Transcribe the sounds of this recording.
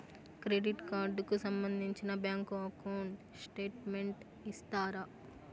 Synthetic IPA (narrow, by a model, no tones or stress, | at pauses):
kɾeɖiʈkaːɾɖkusɐmbɐnd̪ʱiɲt͡ʃinɐbjaːŋkuɐkoːɳɖ | sʈeːʈmeɳʈ | ist̪aːɾɐ